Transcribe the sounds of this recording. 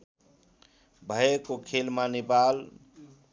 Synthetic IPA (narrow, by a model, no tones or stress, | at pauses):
bʱəekokʰelmanipal